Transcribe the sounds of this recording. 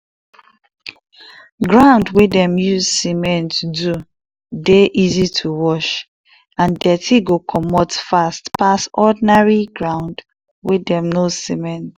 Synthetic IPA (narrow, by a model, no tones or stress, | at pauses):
ɡɹãʊ̃ndwidɛ̃mjuzsimɛ̃ntʰudu | deʔizitʰuwɔʃ | ãndɛtʰiɡokʰɔmɔtfastpasɔdinaɹiɡɹãʊ̃nd | widɛ̃mnosimɛ̃nt